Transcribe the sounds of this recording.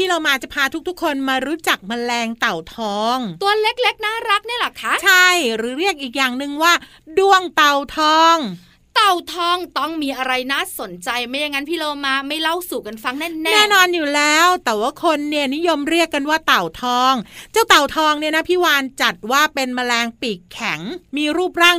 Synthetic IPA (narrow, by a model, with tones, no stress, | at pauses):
pʰiː˥˩loː˧maː˧t͡ɕa˨˩pʰaː˧t̪ʰu˦˥k̚t̪ʰu˦˥kʰːo˧nmaː˧ɾuː˦˥t͡ɕa˨˩k̚ma˧lɛː˧ŋt̪a˨˩wt̪ʰɔː˧ŋt̪u˧ɐle˦˥k̚le˦˥k̚naː˥˩ɾa˦˥k̚ni˥˩ɐla˨˩kʰa˦˥ʔt͡ɕʰa˥˩jɾɯː˨˩˦ɾi˥˩ək̚ʔiː˨˩k̚jaː˨˩ŋnɯ˨˧ŋwaː˥˩ | du˥˩əŋt̪a˨˩wt̪ʰɔː˧ŋ | t̪a˨˩wt̪ʰɔː˧˥˩ŋt̪ɔ˥˩ŋmiː˧ʔa˧ɾa˧jnaː˥˩so˨˩˦nt͡ɕa˧jma˧˥˩ja˧ŋa˦˥npʰiː˥˩loː˧maː˧˩ma˥˩jla˥˩wsu˨˩ka˧nfa˧ŋnɛː˥˩nɛ˧˥nɛː˥˩nɔː˧njuː˨˩lɛː˦˥wt̪ɛː˨˩waː˥˩kʰo˧nːi˦˥˩əni˦˥jo˧mɾi˥˩əkːa˧nwaː˥˩t̪a˨˩wt̪ʰɔː˧ŋt͡ɕaː˥˩wt̪a˨˩wt̪ʰɔː˧ŋni˥˩əna˦˥pʰiː˦˥˩waː˧nt͡ɕa˨˩t̪̚waː˥˩pe˧nma˧lɛː˧ŋpiː˨˩kkʰːɛ˩˦ŋmiː˧ɾuː˥˩p̚ɾaː˥˩ŋ